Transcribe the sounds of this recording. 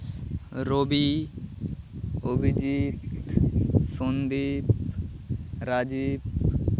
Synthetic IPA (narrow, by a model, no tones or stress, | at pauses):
ɾobi | obʱid͡ʒit̪ | sund̪iːp | ɾaːd͡ʒiːp̚